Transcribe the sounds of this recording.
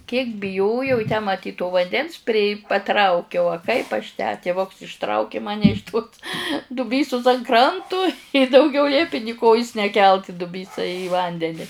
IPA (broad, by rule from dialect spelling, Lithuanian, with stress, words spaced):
kʲiɛk bʲɪˈjoːjɛʊ ɪ tʲæː mɐˈtʲiːt toː ʋɐnʲˈdʲɛns pʲrʲɪ pɐˈtrɐʊkʲɛʊ ɐ ˈkɐɪp ɐʃ tʲæː tʲɪˈʋʊks ɪʃˈtrɐʊkʲɪ ˈmɑːnʲɛ ɪʃ toːs dʊˈbʲiːsʊs ɐn ˈkrɐntʊ ɪ dɐʊˈɡʲɛʊ ˈlʲiɛpʲɪ nʲɪ ˈkoːjʊs nʲɛˈkʲɛlˠt ɪ dʊˈbʲiːsɐ iː ˈʋɐnʲdʲɛnʲɪ